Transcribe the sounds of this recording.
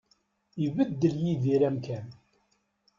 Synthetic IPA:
ivəd̪ːəljiðiɾæmkæn

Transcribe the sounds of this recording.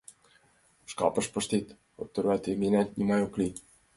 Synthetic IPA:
ʃkɑ̰pə̆ʃpəʃt̪it̪ | o̰t̪ːə̆ɾæt̪eminæt̪ʲnʲimɑjokli

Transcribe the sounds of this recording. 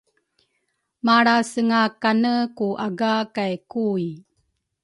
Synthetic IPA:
maɽasəŋakanəkuʔaɡakajkuj

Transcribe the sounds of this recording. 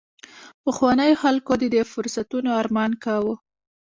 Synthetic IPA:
pəxwɑnəjoxalkod̪əd̪efʊɾsat̪unoɑɾmɑnkawu

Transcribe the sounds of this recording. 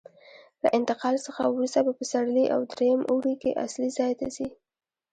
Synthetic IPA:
laʔɪnt̪ɪqɑlsəxa̰wɾust̪abapəsaɽliʔa̰wd̪ɾejəmʔuɽikḛʔa̰slizɑjt̪asi

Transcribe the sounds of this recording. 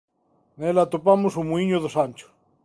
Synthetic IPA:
nelat̪opamosumuiɲoðosanʲt͡ʃo̥

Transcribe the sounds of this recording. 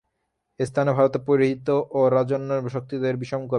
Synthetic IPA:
est̪ʰanebʱaɾot̪epoɾiɦit̪ːoʔoɾad͡ʑonːoʃok̚t̪id̪eɾbiʃoŋko

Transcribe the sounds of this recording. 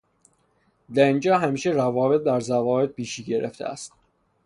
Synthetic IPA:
d̪æɾind͡ʒɒːɦæmiːʃerævɒːbe̞t̪̚bæɾzævɒːbe̞t̪̚piːʃiːɟe̞ɾḛft̪ʰḛæ̰st̪

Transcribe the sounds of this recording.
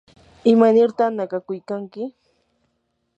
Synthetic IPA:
ɪmanɪɾt̪anakakʊjkaŋkɪ

